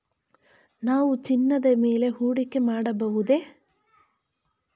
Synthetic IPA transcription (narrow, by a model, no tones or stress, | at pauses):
naːʋut͡ʃinːɐd̪ɐme̞ːle̞ɦuːɽikemaːɽɐbɐʋud̪eː